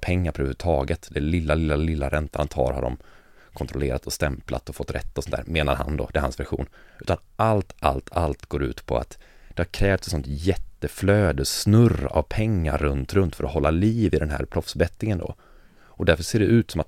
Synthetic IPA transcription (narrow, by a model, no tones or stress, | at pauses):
pʰɛŋːaɾpʰɔɾhʉ̟ːt̪ʰɑːɡət̪d̪ɛlɪlːalɪlːalɪlːaɾʔɛnt̪ʰant̪ʰɑ̰ːɾha̰ɖɔ̰m | kʰɔnt̪ɾɔleːɾat̪ɔst̪ɛmpla̰t̪ɔfɔt̪ːɾɛ̰t̪ːaɔsɔnt̪ʰæːɾmeːna̰ɾha̰nd̪ɔ̰d̪ɛɾhansvæɾɧṵːnʉ̟ːt̪anʔalt̪a̰lt̪ʰalt̪ɡoːɾʉ̟̰ːt̪pʰɔ̰a̰t̪d̪̥ɛhaɾkʰɾɛːft̪sɛtsɔnt̪jɛt̪ːəfløːd̪əsnɵrːa̰vpʰɛŋːa̰ɾːɵnt̪ɾɵnt̪fœɾɔhɔlːaliːvɪd̪ɛnɦæ̰ːɾpʰɾɔfsbɛt̪ːɪŋənd̪ɔ̰ | ɔd̪æɾfəʂseːɖɛʔʉ̟ːt̪sɔmat̪